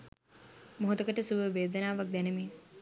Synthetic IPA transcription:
moɦot̪əkəʈəsubəʋeːd̪ənaːʋak̚d̪ænemeː

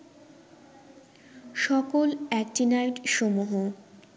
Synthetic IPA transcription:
ʃɔkolɛk̚ʈinajʈʃomuɦo

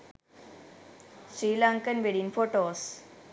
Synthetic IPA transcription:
sɾiːlãːŋkənʋeɽinfoːʈoːs

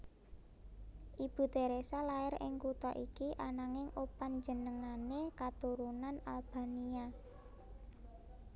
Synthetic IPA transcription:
ʔib̥ṳt̪eɾesalaɪrɪ̰ŋkut̪ɔ̰ʔikiʔanaŋɪŋʔopand͡ʒə̤nəŋanekat̪uɾunanalb̥a̤nia

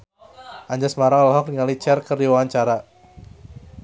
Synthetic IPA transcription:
ʔaɲd͡ʒasəmaɾaŋlaɦɔk̚niŋalit͡ʃɛrkərdiwawaɲt͡ʃaɾa

